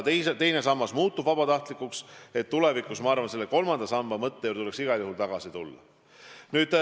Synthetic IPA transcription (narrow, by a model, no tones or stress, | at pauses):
t̪ejset̪e̞jne̞sɑmːɑsmuːt̪ːubvɑbɑt̪ɑht̪likːˑukse̞t̪ːule̞vikːˑusmɑɑrvɑnselːeko̞lmɑnd̪̥ɑsɑmbɑmɤt̪ːeuːrdt̪ule̞ksiɡ̥ɑjuɦult̪ɑɡ̥ɑsit̪ulːɑ̰ | nyːd̪̥